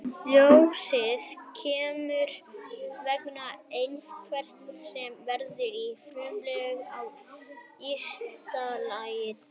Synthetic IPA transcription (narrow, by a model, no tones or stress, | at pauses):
ljowsɪðcʰɛːmʏɾvɛknaejnfkʰvɛr̥t̪sɛmvɛɾðɪɾifɾuːlɛɣaw | ist̪alajɪ